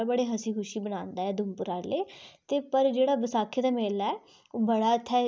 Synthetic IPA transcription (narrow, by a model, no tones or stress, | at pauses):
bəɽeːɦəsiːkʰʊʃiːbənãːnd̪aːɛːd̪ʊmpʊɾaːleːt̪eːpəɾd͡ʒeːɽaːbəsaːkʰeːd̪aːmeːlaɛː | oːbəɽaːət̪ʰːɛː